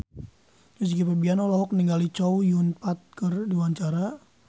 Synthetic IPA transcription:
əsikipabianɔlɔɦɔk̚niŋɡalit͡ʃɔujunpat̪̚kərdiwaɲt͡ʃaɾa

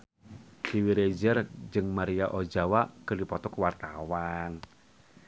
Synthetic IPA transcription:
kiwiɾed͡ʒɛrd͡ʒɨŋmaɾiaʔod͡ʒawaʔkərdipɔt̪ɔkwart̪awan

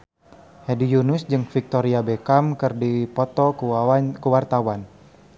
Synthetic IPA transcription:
hɛdijunʊsd͡ʒɨŋfik̚t̪oɾiabekamkɨrdipɔt̪ɔ | kəwart̪awan

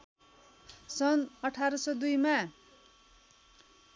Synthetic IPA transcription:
sʌnʌʈʰaɾʌsʌd̪ujma

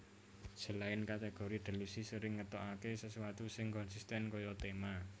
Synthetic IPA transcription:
sə̤laɪnkat̪eɡ̥oɾid̪̥ə̤lusisəɾɪŋːət̪ɔʔakesəsuwat̪usɪŋkɔnsist̪ɛnkɔjɔt̪ema

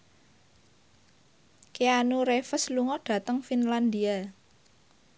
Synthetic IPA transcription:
keanuɾefəsluŋɔɖ̥ä̤t̪əŋfinland̪ia

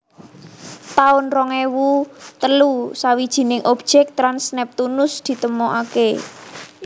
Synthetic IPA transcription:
t̪aʊnrɔŋewut̪əlusawid̥ʒ̥i̤nɪŋʔɔb̥ʒ̥ɛk̚t̪ɾansnɛp̚t̪unʊsd̪̥i̤t̪əmɔʔake

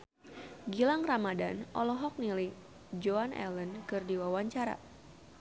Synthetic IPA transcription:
ɡilaŋramadanʔɔ̰lɔɦɔk̚nili | d͡ʒoanɛ̰lənkɨrdiwawaɲt͡ʃaɾa̰

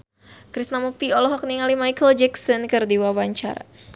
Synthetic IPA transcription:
kɾisnamuk̚t̪iɔlɔɦɔk̚niŋalimajkəld͡ʒɛksənkərdiwawaɲt͡ʃa̰ɾa̰

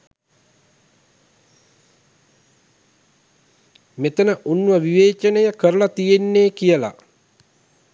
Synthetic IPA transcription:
met̪ənəʔunːuʋəʋiʋeːt͡ʃənəjəkəɾəlat̪ijenːeːkijəla̰

